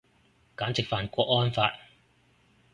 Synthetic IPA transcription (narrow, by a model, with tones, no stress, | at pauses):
kaː˨˥nt͡sɪ˨k̚faː˨nkʷɔː˧k̚ŋɔː˥nfaː˧t̚